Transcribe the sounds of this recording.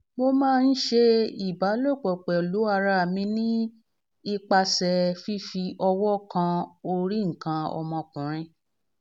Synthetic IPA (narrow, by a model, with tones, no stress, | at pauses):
mo˧mãː˦n̩˦ʃe˧i˨ba˨˦lo˦˨k͡pɔ˨k͡pɛ˨o˨lu˨˦a˧ɾa˦˨mĩ˧nĩ˦ | i˦k͡pa˧sɛ˨fi˦fi˧ʔɔ˧wɔ˦kã˧o˧ɾi˦ŋ̩˨kã˧ɔ̰˧mɔ̃˧kũ˨ɾ̃ĩ˧